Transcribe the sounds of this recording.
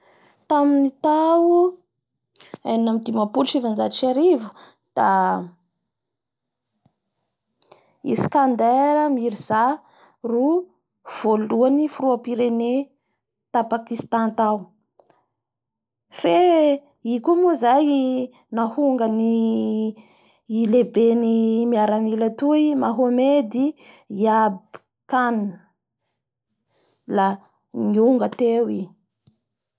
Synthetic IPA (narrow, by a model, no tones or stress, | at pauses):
t̪aminit̪au | ajnamid̪imapulʈ͡ʂivand͡ʒat͡ʃaɾivu̥ | d̪̥a | ḭskand̪eɾəmiɾiz̥a | ru | v̥oluanifuruapiɾene | t̪apakist̪ãnt̪aw | fe | ikumuzaj | nahuŋɡəni | ilebenimiaɾamilət̪uimaɦomed̪iiab | kanə | la | ŋiuŋɡət̪ewi